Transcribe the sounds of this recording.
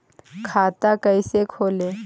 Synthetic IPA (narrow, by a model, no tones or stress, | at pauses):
kʰaːt̪akəisekʰoːleː